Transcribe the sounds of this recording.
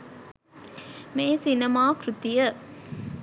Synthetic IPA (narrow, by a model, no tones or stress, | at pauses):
meːsinemaːkɾut̪ijə